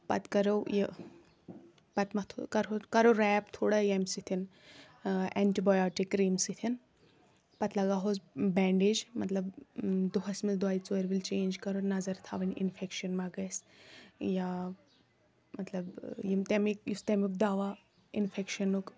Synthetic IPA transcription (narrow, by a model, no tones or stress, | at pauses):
pɐt̪kɐɾɐwji | pɐt̪mɐt̪ʰkɐɾokɐɾoɾɛːpt̪ʰoːɽajɐmsit̪ʰin | ɛ̰ɳʈibajaːʈikːɾiːmsit̪ʰin | pɐt̪lɐɡaːɦozbɛːɳɖed͡ʒmɐt̪lɐbd̪uɦɐsmild̪waːit͡soɾʋilt͡ʃeːnd͡ʒkɐɾonɐzɐɾt̪ʰaːʋɐnʲḭnfʰekʃɐnmaɡɐjs | ja | mɐt̪lɐbjimt̪emikjust̪emʲuk̚d̪aːʋa | ḭnfʰekʃɐnːuk